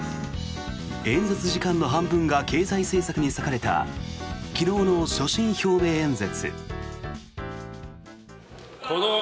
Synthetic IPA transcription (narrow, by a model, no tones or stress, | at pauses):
ẽ̞nd͡ze̞t͡sɨʑikãnːo̞ɦãmbɯ̟̃ŋɡake̞ːzaise̞ːsakɯ̟ɲ̟isakaɾe̞t̪a̰ | kʲino̞ːno̞ɕo̞ɕĩɰ̃ço̞ːbẽ̞ːnd͡ze̞t͡sɨ̰ | ko